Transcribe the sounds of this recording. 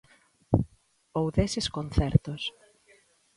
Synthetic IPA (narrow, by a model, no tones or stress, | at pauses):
owðeseskon̟θɛɾt̪os